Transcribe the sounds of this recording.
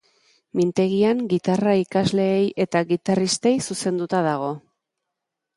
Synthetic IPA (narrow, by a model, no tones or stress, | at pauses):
mint̪e̞ɣiaŋɡit̪araikazle̞ːje̞t̪aɣit̪arist̪e̞jsuse̞nd̪ut̪aðaɣ̞o̞